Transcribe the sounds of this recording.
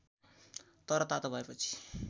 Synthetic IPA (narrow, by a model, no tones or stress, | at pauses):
t̪ʌɾʌt̪at̪obʱʌepʌt͡sʰi̥